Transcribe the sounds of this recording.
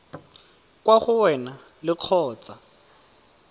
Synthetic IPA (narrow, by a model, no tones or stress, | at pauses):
kwaχʊwɛna | lɪq͡χʰɔːt͡sʼa